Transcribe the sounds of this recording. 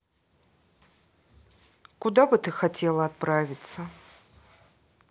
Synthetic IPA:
kud̪abɨt̪ɨxatʲelˠɐːt̪̚pɾavʲit̪sə

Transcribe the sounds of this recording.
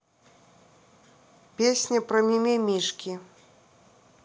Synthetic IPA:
pʲesʲnʲɐpɾɐmʲimʲɛmʲiʂkʲi

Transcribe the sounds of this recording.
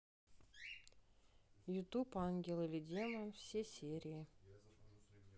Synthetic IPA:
jut̪upɑnɡʲelˠɨlʲidʲeməfsʲesʲeɾʲii

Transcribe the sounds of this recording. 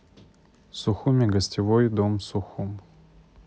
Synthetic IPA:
sʊxumʲɪɡəsʲtʲɪvojd̪omsʊxum

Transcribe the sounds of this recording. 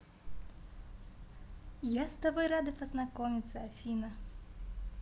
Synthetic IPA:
jast̪abɔjɾad̪ɨpɐznakɔmʲit̪sːɐːfʲinɐ

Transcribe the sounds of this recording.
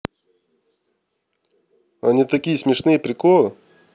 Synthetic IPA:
ɐnʲit̪ɐkʲijəsʲmʲɪʂnɨjəpɾʲɪkolˠɨ

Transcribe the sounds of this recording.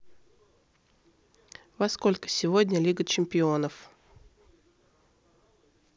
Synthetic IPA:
vɐsko̞lʲkə̥sʲɪvo̞dʲnʲəlʲiɡət͡ɕɪmʲpʲɪo̞nəf

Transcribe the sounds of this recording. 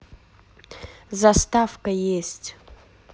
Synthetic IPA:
zast̪afkəjesʲtʲ

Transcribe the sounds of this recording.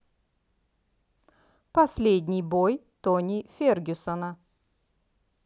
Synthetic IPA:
pɐsʲlʲed̪ʲnʲɪjbojt̪onʲifʲeɾɡʲʏsənə

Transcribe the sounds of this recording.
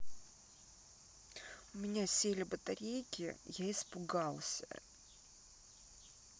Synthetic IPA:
ʊmʲɪnʲasʲelʲɪbət̪ɐɾʲejkʲɪ̰jaɪspʊɡalˠsʲə̰

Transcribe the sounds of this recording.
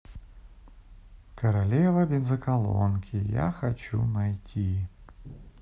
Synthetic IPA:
kɐɾalʲevɐbʲɪzɐkɐlˠo̰nkʲɪja̰xɐt͡ɕṵnɐjtʲʰi

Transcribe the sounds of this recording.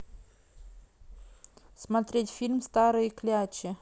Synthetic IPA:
smat̪ɾʲet̪ʲfilʲmst̪aɾɨjklʲeat͡ʃe

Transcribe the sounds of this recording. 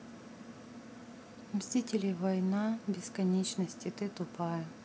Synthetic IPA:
mʲzʲitʲɪlʲɪvɐjnabʲɪskɐnʲet͡ɕnɐsʲtʲɪt̪ɨt̪ʊpajɛ

